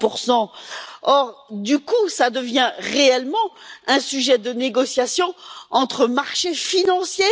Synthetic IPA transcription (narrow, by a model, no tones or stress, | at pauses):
puʁsɑ̃ɔʁd̪ykusad̪əvjɛ̃ʁeɛlmɑ̃ɛ̃syʒɛd̪əneɡɔsjasjɔ̃ɑ̃t̪χəmaʁʃefinɑ̃sje